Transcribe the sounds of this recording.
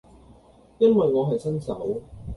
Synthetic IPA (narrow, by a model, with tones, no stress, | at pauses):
jɐ˥nwɐ˨jŋɔː˨˧ɦɐ˨jsɐ˥nsɐ˨˥w